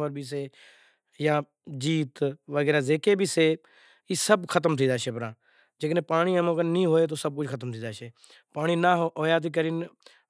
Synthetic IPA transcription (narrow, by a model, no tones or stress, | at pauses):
ʋəɾbʱiːs̬eː | jãː | d͡ʒiːt̪ʋəɡɛːɾaːzeːkeːbʱiːseː | iːsəbkʰət̪əmt̪ʰĩːd̪aːʃeːpɾãː | d͡ʒeːknẽːpaːɽ̃iːəmõːkənnĩːɦoːeːt̪̬oːsəb̚kʊd͡ʒkʰət̪əmt̪ʰiːd̪aːʃʰeː | paːɳ̃iːnaːɦɦoːjaːt̪̬iːkəɾiːn